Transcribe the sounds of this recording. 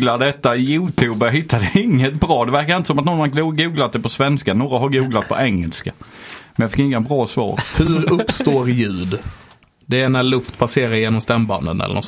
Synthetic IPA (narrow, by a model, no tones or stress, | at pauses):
lad̪ɛt̪ːajuːt̪ʰuːbaɦɪt̪ʰːad̪ɛɪŋːət̪bɾɑːd̪ɛvæɾkaɾɪnt̪əsɔmat̪nɔnhaɡuːɡlat̪̚d̪ɛpʰɔsvɛnskanoːɡaɦaɾɡuːɡlat̪̚pʰɔ̰ʔɛŋːɛlskamɛnjɑfɪkːɪŋːabɾɑːsvɑ̰ːɾhɵɾɵpst̪oːɾjʉ̟ːd̪ | d̪ɛːnælɵft̪pʰaseːɾaɾjeːnɔmst̪ɛmba̰nd̪ə̰nɛ̰lə̰nɔ̰